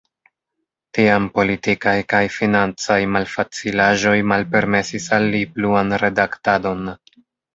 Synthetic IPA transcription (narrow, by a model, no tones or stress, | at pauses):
tiampo̞litikajkajfinant͡sajmalfat͡silaʒo̞jmalpe̞ɾme̞sisalːipluanɾe̞daktado̞n